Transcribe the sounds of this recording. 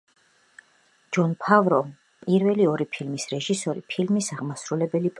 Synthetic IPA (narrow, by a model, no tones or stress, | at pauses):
d͡ʒɔnpʰavɾɔ | pʼiɾvɛliɔɾipʰilmisɾɛʒisɔɾḭpʰilmisaʁmasɾulɛbɛlipʼ